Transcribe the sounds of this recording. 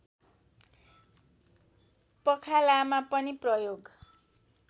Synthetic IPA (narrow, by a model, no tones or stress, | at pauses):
pʌkʰalamapʌniprʌjoɡ